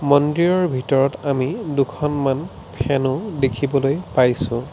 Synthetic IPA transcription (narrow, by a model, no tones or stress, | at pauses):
mɔndɹiɹɔɹbʱitɔɹɔtamidʊkʰɔnman | pʰɛnʊdekʰibɔlojpajsʊ̃